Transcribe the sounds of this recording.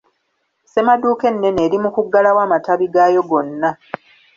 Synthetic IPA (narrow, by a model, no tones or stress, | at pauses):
se̞maduːke̞nːe̞ne̞ːɾimukuɡːalawaːmataβiɡajo̞ɡo̞nːa